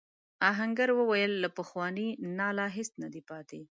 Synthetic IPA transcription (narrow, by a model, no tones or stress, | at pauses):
ɑɦaŋɡaɾwəwajəlːapəxwɑninɑlɑɦɪst̪nad̪ipɑt̪e